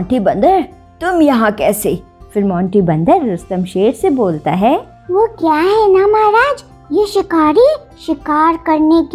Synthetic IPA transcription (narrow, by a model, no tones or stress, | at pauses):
ɔ̃ːɳʈibɐ̃nd̪əɾ | t̪ʊmjɐɦãkɛːse | fɪɾmɔ̃ːɳʈibɐ̃nd̪əɾːɐst̪əmʃeːɾseboːlt̪a̰ɦɛː | ʋokjaːɦɛnamɐɦɾaːd͡ʒ | jeʃɪkaːɾi | ʃɪkaːɾkɐɾnek